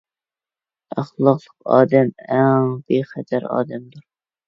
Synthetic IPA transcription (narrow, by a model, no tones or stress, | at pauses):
æχlˠɑqlˠəqɑ̰ːd̪ɛmæŋbeχæt̪ʰæɾɑ̰ːd̪ɛmd̪uɾ